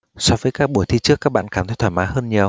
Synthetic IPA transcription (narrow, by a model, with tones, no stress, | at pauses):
sɔ˨˧˦vəː˨˦jkaː˦˥k̚ɓu˧˩əjt̪ʰi˧t͡ɕɨ˦˥əkːaː˦˥k̚ɓa̰ː˧˨nkaː˧˩mt̪ə˨˦jt̪ʰwaː˧˩maː˨˦ɦəː˧nɲi˨˩əw